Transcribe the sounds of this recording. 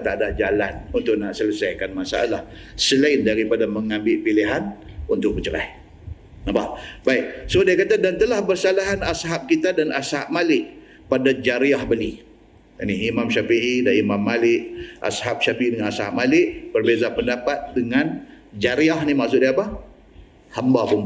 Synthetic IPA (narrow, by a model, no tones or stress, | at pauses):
t̪adad͡ʒalanunt̪ʊʔ̚naʔsələsajkanmasa̰ʔa̰lah | səlaɪndaɾipadaməŋambɪʔpiliɦanunt̪ʊʔ̚bət͡ʃəɾa̰j | nabahbaiʔsodiakat̪adant̪əlahbərsalaɦanasɦap̚kit̪adanashap̚malɪʔ | padad͡ʒaɾiahbəli | aniimamʃafiɦidaʔimamːalɪʔʔa̰sɦap̚ʃafiidəŋanasha̰p̚malɪʔb̥ərbezapəndapat̪̚dəŋand͡ʒaɾiahnimaʔsʊt̪̚diapa | hambapun